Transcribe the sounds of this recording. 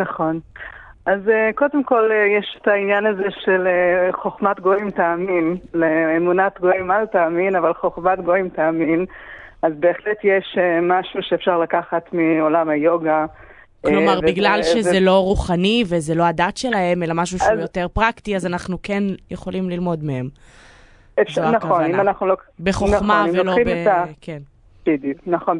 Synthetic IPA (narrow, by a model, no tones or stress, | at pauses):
naχo̞n | azeko̞demko̞lejeʃe̥tainjanazeʃeleχoχmatɡo̞imtaːminleːmunatɡoimaltaːminavalχoχmatɡo̞imtaːminazbe̞ːχletjeʃemaʃuʃeːfʃaʁlakaχatmio̞lamajo̞ɡa | klomaʁbiɡlalʃezzelo̞ʁuχanivezelo̞adatʃe̞lahe̞melamaʃ̬uʃajoteʁpʁaktiazanaχnukenjeχo̞limlilmo̞dmehem | efanaχonimanaχnulobeχomaimveoloimoaken | b̥iduknaχon